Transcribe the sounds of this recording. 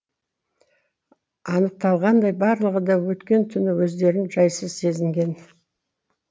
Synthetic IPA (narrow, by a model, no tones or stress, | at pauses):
ɑnəq̚t̪ɑlˠʁɑnd̪ɑjbɑɾlˠəʁəd̪ɑwɵt̪kʲe̞nt̪ʰʏnɪwɵzd̪e̞ɾɪnʒɑjsəzse̞zɪŋɡʲe̞n